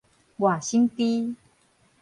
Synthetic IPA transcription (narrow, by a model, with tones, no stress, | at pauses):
wa˨˩ɕi˦ŋt̪i˦